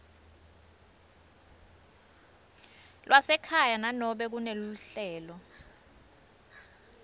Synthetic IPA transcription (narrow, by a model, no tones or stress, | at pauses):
lwʔasɛkʰajananɔɓɛk̬uneluɬɛːlɔ